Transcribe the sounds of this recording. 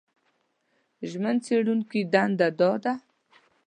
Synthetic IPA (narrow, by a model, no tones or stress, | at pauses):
ʒmənt͡seɽunkid̪and̪ad̪ɔd̪a